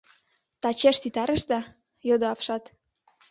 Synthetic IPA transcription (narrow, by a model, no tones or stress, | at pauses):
t̪ɑt͡ɕeʃt̪it̪ɑɾəʃd̪ɑ | jod̪oɑpʃɑt̪